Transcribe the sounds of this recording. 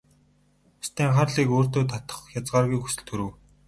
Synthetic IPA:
ʊst̪iːŋχarɮiːkoːr̥t̪oːt̪ʰat̪ə̥̆χjat͡sɢaːrɣujkxu̥sɘ̆ɮt̪ʰxɵɾɘ̆w

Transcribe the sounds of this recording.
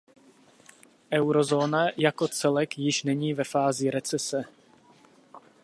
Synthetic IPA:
ʔɛwɾo̞zoːnajako̞t͡sɛlɛkjɪʃnɛɲiːvɛfaːzɪɾɛt͡sɛsɛ

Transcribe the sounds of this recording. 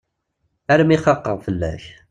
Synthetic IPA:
aɾəmiχɑqːəʁfəlːæ̰ç

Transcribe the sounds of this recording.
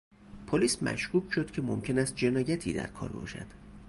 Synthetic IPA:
pʰoliːsmæ̰ʃkuːkʃo̞d̪̥cʰe̞momcʰe̞næst̪̚d͡ʒe̞nɒːjæt̪ʰḭːd̪æ̰ɾkʰɒ̰ːɾbɒ̰ːʃæ̰d̪̥

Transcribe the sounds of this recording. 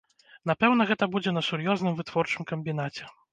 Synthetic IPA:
n̪apɛwnɐɣɛt̪ɐbud͡zʲɛnɐsuɾjɔznɨmvɨt̪vɔrt͡ʂɨmkɐmʲbʲin̪at͡sʲɛ

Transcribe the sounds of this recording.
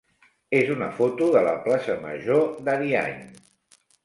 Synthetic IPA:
ezunəfot̪uðələ̰plasəmə̰ʒoðəðia̰ɲ

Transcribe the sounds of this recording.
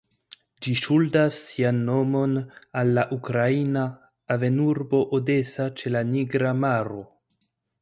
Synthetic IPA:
d͡ʒiʃuldasːianːo̞mo̞nalːaʔukɾainaː | ve̞nuɾbo̞ʔode̞sat͡ʃe̞laniɡɾamaɾo̞

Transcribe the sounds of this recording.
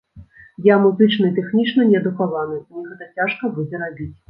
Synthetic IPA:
jamuzɨt͡ʂnɐit̪ɛxnʲit͡ʂnɐnʲɛɐd̪ukavanɨnʲiɣɛt̪ɐt͡sʲaʂkɐbud͡zʲɛɾabʲit͡sʲ

